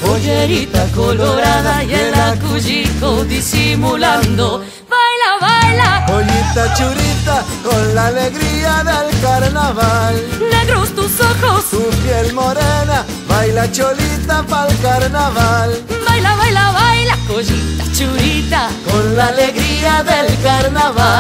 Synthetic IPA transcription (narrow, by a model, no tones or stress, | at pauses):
oʎeɾit̪akoloɾaðaaelakuʒikoðisimulãnd̪o | βajlaβajlakoʎit̪at͡ʃuɾit̪a | konlaleɣɾiaðelkaɾnaβalneɣɾost̪usoxosupjelmoɾena | βajlat͡ʃolit̪apalkaɾnaβalbajlaβajlaβajlakoʒit̪at͡ʃuɾit̪akonlaleɣɾiaðelkaɾnaβa